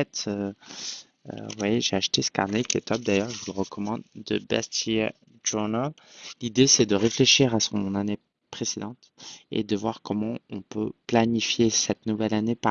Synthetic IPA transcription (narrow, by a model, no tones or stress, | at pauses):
ɛt̪ø | ø̰vwɛʒeaʃt̪esə̥ka̰ʁnɛkʲiɛt̪ɔp̚d̪ajœʁʒəvulʁəkʰɔmɑ̃d̪ːə̰bɛ̰st̪ji | ʒunalid̪esɛd̪əʁefleʃiʁasɔ̃nane | pχesed̪ɑ̃t̪ḛd̪əvwaʁkʰɔmɑ̃ɔ̃pø̰planifjesɛt̪nuvɛlanepa